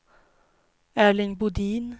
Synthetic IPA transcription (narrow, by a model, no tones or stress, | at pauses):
æːɭɪŋbʊd̪iːn